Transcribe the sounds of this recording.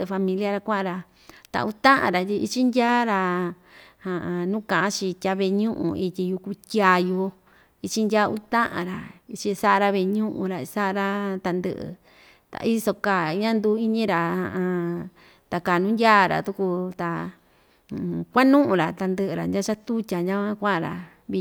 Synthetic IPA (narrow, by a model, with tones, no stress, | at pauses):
fa˧mĩ˧li˦a˧ɾa˧kʷã˦ʔã˧ɾa˧ | t̪a̰˨˧u˧t̪ã˦ʔã̰˨ɾa˨t̪ʲi˧i˦t͡ʃi˦ndʲaː˦ɾa˧ | hã˧ʔã˧nũ˦kã˨ʔã˦t͡ʃĩ˧tʲa˧βe˧ɲũ˦ʔṵ̃˧i˧t̪ʲi˧ju˧ku˧t̪ʲja˧ju˧ | i˧t͡ʃi˦˧ndʲa˦u˧˦t̪ã˦ʔã̰˨ɾa˨i˧t͡ʃi˧sa˦ʔɾa˧βe˧ɲũ˦ʔṵ̃˧ɾa˧sa˦ʔa˧ɾa˦t̪a˧nd̪ɨ̰˦ʔɨ̰˧ | t̪a̰˧ʔi˦so˧ka˨˧ɲã˦nd̪u˧˦i˦ɲĩ˦ɾa˨hã̰˧˨ʔã˧ | t̪a˨kaː˨nũ˦ndʲaː˦˨ɾa̰˨t̪u˧ku˧t̪a˨ | kʷa˦nũ˦ʔũ˧˨ɾa˨t̪a˧nd̪ɨ˧ʔɨ˧ɾa˨ndʲa˦t͡ʃa˦t̪u˦tʲa˨nʲã˦kʷã˦kʷã˦ʔã˧ɾa̰˨ | βi˧